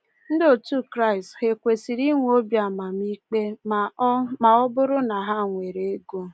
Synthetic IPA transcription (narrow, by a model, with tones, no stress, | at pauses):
n̩˦do˨tu˦kɾa˦ɪ˨sthe˨kʷe˨si˨ɾi˦ŋʷ˦o˦bja˨ma˨mi˦k͡pe˦m˨˦ma˨ɔ˦bʊ˦ɾʊ˦na˨ɦa˦ŋʷe˨ɾe˨e˦ɡo˦